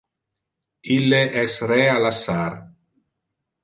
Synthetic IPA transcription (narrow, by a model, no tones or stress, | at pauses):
ilːeʔɛsɾɛalasːaɾ